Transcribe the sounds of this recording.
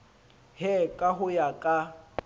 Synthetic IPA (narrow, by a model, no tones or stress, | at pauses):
hɛkʼaɦʊjakʼa